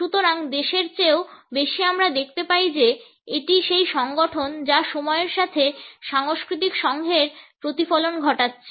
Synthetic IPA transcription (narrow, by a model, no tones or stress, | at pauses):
ʃut̪oɾaŋd̪eʃeɾt͡ɕeobeʃiamɾad̪ek̚ʰt̪epaid͡ʑe | eʈiʃejʃɔŋɡoʈʰond͡ʑaʃɔmɔeeɾʃat̪ʰeʃaŋoskɾit̪̬ikʃɔŋɡʱeɾpɾot̪ifolonɡʱɔʈatːɕʰe